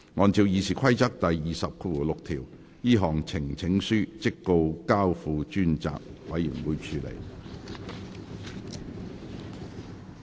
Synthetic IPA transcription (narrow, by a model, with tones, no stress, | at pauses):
ŋɔː˨˧nt͡siː˧wjiː˧sʰiː˨kʰɐ˥jt͡sɐ˥k̚t̪ɐ˨jjiː˨sɐ˨p̚kʰu˧˨˧lʊ˨k̚t̪ʰiː˨˩w | jiː˥ɦɔː˨˩ŋt͡sʰɪ˨˩ŋt͡sʰɪ˨˥ŋsyː˥t͡sɪ˥kːo˧wkaː˥wfuː˧t͡ʃyː˥nt͡sa̰ː˨k̚wɐ˨˧jːy˨˩ŋwuː˨˥jt͡ʃʰyː˨˧lḛ˨˩j